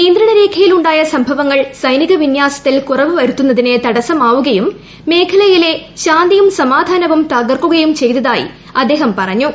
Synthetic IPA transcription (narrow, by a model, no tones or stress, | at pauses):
ind̪rɾɐɳɐɾeːkʰɐjiluɳɖaːjɐsɐmbʱɐʋɐŋːɐɭsɐjniɣɐʋinjaːsɐ̥t̪ːilkurɐʋɨʋɐɾut̪ːunːɐðine̞t̪ɐɽɐsɐmaːʋuɣɐjumː | e̞ːkʰɐɭɐjile̞ɕaːnd̪ijumsɐmaːd̪ʱaːnɐʋumt̪aːɡɐrkːuɣɐjumt͡ɕe̞jt̪ɐðaːjḭ | ɐd̪ːe̞ːɦɐmpɐrɐɲːu